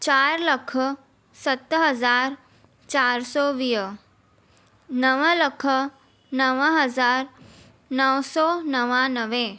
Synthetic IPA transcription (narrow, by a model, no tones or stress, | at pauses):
t͡ɕaːɾləkʰə | sət̪ɦɐzaːɾ | t͡ɕaːɾsɔːʋiːə | nəʋələkʰə | nəʋəɦəzaːɾ | nəʋsɔːnəʋãnəʋẽ